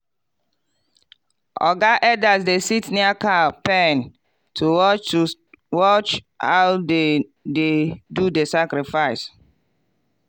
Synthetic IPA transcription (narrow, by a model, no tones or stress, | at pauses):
ʔɔ̰ɡaʔɛdasdesitniakapɛ̃n | tʰuw | wɔt͡ʃ | hawdededudesakɾifaɪs